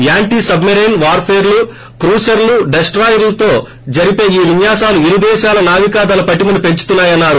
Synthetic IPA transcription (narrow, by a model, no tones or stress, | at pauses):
jaːɳʈiːsɐbmeɾeːnʋaːɾpʰeːɾlu | kɾuːsɐɾluɖesʈɾaːjɐɾlɐt̪o̞ː | d͡ʒɐɾipe̞ːiːʋiɲjaːʃaːluiɾid̪ɛːʃaːlɐnaːʋikaːd̪ɐlɐpɐʈːimɐnupe̞ɲt͡ʃu̥t̪unːaːjɐnːaːɾu